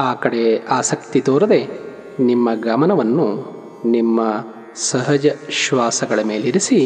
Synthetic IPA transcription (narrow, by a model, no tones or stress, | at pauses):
aːkɐɽe̞aːsɐk̚t̪it̪oːɾɐd̪e̞ | nimːɐɡɐmɐnɐʋɐnːu | nimːɐ | sɐɦɐd͡ʒɐʃʋaːsɐɡɐɭɐme̞ːliɾisi